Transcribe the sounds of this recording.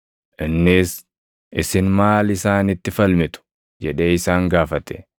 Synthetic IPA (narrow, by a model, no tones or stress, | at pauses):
ʔɪnːɪs | ʔɪsɪnmaːlɪsaːnɪt̪ːɪfɐlmɪt̪ʊ̥ | d͡ʒɛᶑe̞ːɪsaːŋɡaːfɐt̪ɛ̰